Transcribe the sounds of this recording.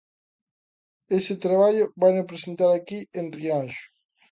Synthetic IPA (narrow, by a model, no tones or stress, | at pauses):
esɪt̪ɾaβaʎobanopɾesent̪aɾakienrianʃʊ̥